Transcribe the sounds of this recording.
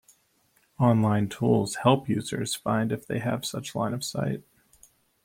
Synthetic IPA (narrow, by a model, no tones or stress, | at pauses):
ɑ̃nlãɪ̃ntʰulˠz̥hɛlˠpjʉzə̰˞z̥fã̰ɪ̃ndɨfðeɪɨv̥sʌt͡ʃlãɪ̃nʌv̥sa̰ɪt̚